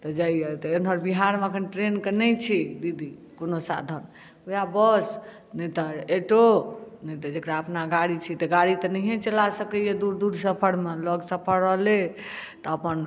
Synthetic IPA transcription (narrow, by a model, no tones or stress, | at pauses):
t̪ɔd͡ʒaijet̪ɔenɦəɾbiɦaɾmeəkʰənʈɾenkenɛt͡ʃʰid̪id̪ikonosa̰d̪ʱən | ujabəs | nɛt̪əeʈonɛt̪əd͡ʒekɽaəpnaɡaɽit͡ʃʰit̪ɔɡaɽit̪ɔnɛiɦẽt͡ʃəlasəkəjed̪uɾd̪uɽʱsəpʰəɽmeləɡsəpʰəɽəlet̪ɔəpən